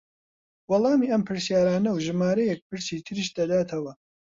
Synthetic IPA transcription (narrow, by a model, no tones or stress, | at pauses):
wɑlˠɑːmiːɐmpʰɨɾsjaːɾaːnɐwʒɨmaːɾɐjɛk̚pɨɾsiːt̪ʰɨɾiːʃd̪ɐd̪aːt̪ʰɐwɐ